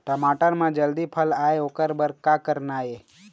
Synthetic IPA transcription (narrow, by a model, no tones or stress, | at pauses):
ʈəmaːʈənmãd͡ʒəld̪ipʰəlaːeokəɾbəɾkakəɾnaːe